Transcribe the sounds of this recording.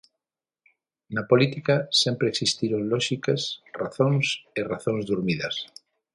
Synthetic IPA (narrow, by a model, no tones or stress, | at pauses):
napolit̪ikasẽmpɾeksist̪iɾonloʃikesraθõŋseraθõnzðuɾmiðas